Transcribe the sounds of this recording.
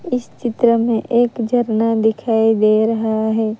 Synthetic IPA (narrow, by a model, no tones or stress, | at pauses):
ɪst͡ʃɪt̪ɾəmẽʔeːkd͡ʒʱəɾnad̪ɪkʰaːid̪eːɾɐɦaɦɛː